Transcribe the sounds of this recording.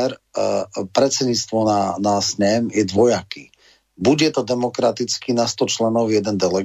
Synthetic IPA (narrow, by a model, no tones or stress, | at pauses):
ɾ | pɾɛt͡sɛdɲit͡st̪ʋɔnanasɲɛmjɛd̪ʋɔjaki | buɟɛt̪ɔd̪ɛmɔkɾat̪it͡skinast̪ɔt͡ʃlɛnɔʊjɛd̪ɛnd̪ɛlɛɡ